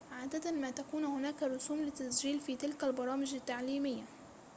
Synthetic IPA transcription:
ʕaːd̪at̪anmaːt̪akuːnhʊnaːkaɾˤʊsuːmlɪt̪ːasd͡ʒiːlfiːt̪ɪlkalbɑɾˤɑːmɪd͡ʒat̪ːaʕliːmɪjːa

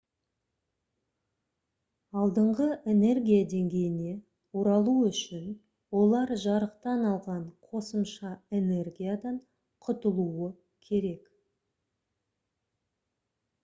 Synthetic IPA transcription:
ɑlˠd̪əɴʁəʔe̞ne̞rɡʲijad̪e̞ŋɡʲe̞jɪne̞ | oɾɑlˠuʏʃɪn | wo̞lˠɑɾʒɑɾəqt̪ɑnɑlˠʁɑɴqʰo̞səmʃɑe̞ne̞rɡʲijad̪ɑɴ | qʰʊt̪əlˠuə | kʲʰe̞ɾe̞k

